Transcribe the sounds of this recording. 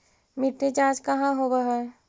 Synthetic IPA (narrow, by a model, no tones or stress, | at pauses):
mɪʈːed͡ʒaːd͡ʒkɐɦãɦobaɦɛ